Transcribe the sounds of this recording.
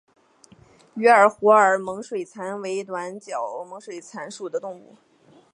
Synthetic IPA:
y˧˥ə˞˨˩xu˧˥ə˞˨˩mɤ˧˥ŋʂwe˨˩ɪt͡sʰa˧˥nwe˧˥ɪt̪wa˧˥nt͡ɕjɑ˨˩ʊmɤ˧˥ŋʂwe˨˩ɪt͡sʰa˧˥nʂu˨˩d̪ə˦t̪ʊ˥˧ŋṵ˥˩

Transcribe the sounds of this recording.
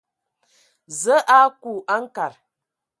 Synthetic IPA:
zə˦ʔa˦ku˨ʔa˦ŋ˦ka˨ɾ

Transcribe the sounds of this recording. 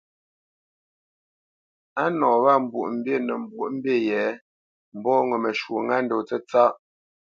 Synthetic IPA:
a˦nɔ̃ː˨βa˦˨m̩˨bu˨ʔm̩˦bje˦˨nə˨m˨bu˦˨ʔm̩˦bje˦˨jɛ˨˦ | m̩˨bɔ˦˨ŋə˨mə˨ʃwo˨ŋa˦n̩˦do˨t͡sə˦t͡sa˦ʔ

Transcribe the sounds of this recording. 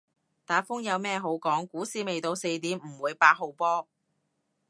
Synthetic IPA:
t̪aː˨˥fʊ˥ŋjɐ˨˧wmɛː˥ɦo˨˥wkɔː˨˥ŋkuː˨˥siː˧me˨jt̪o˧wse˧jt̪iː˨˥mm̩˨˩wuː˨˧jpaː˧t̚ɦo˧wpɔː˥

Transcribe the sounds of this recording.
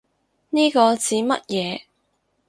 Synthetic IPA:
niː˥kɔː˧t͡siː˨˥mɐ̰˥t̚jɛː˨˧

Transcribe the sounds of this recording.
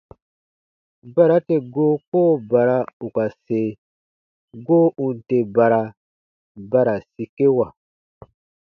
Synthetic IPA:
ba˦ɾa˦te˨ɡoː˦koː˦ba˨ɾa˧u˨ka˨se˨ | ɡoː˦ʔũ˨n̩˨te˨ba˨ɾa˨ | ba˦ɾa˨si˨ke˦wa˨

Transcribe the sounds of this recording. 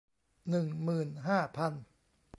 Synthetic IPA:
nɯ˨˩ŋmɯː˨˩nɦaː˥˩pʰa˧n

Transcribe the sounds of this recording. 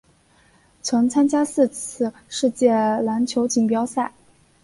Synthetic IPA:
t͡sʰwə˧˥ŋt͡sʰa˥nt͡ɕja˥sɹ̩˥˧t͡s̩ʰ˥˧ʂɻ̩˥˧t͡ɕjɛ˥˩la˧˥nt͡ɕʰjo˧˥ʊt͡ɕi˨˩ŋpjɑ˥ʊsa˥˩ɪ

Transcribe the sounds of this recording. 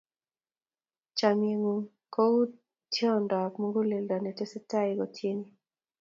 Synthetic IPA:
t͡ʃa˨mje˨ŋu˨ | ko˦u˦ | tjɔ˦˨ndɔ˨kmu˦ŋɡo˦le˨lda˨nɛ˨tɛ˦sɛ˦ta˦i˨ɡɔ˨tʰje˦ni˦

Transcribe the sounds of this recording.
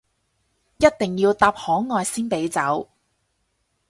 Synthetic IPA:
jɐ˥t̚t̪ɪ˨˩ŋjiː˧wt̪aː˧p̚hɔː˨˥ŋŋɔː˨˧jsiː˥npe˨˥jt͡sɐ˨˥w

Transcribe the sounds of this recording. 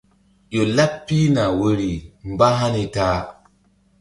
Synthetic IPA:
jo˨la˦pːi˦na˨wo˦ɾi˨m˦ba˦ɦa˦ni˦taː˦

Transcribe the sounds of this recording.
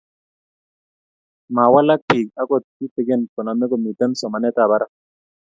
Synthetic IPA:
ma˨wa˦la˦k̚pi˨ka˦ko˦t̪̚i˦t̪i˨ɡe˦nkɔ˨na˨me˦ko˦˨mi˨t̪a˦nsɔ˨ma˨ne˦t̪a˨ba˦ɾa˦

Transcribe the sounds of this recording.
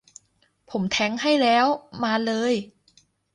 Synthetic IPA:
pʰo˩˦mt̪ʰɛ˦˥ŋha˥˩jlɛː˦˥wmaː˧lɤː˧j

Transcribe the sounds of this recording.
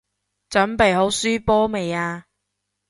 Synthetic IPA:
t͡ʃɵ˨˥npe˨jɦo˨˥wsyː˥pɔː˥me˨jaː˧

